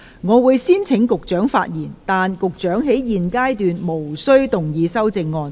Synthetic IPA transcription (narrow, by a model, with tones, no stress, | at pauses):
ŋɔː˨˧wuː˨˧jsiː˥nt͡sʰɪ˨˥ŋkʊ˨k̚t͡ʃœː˨˥ŋfa̰ː˧t̚jiː˨˩nt̪aː˨nkʊ˨k̚t͡ʃœː˨˥ŋɦe˨˥jjiː˨nkaː˥jt̪yː˨nmo˨˩wsɵ˥ɥt̪ʊ˨˩ŋjiː˨˧sɐ˥wt͡sɪ˧ŋːɔː˧n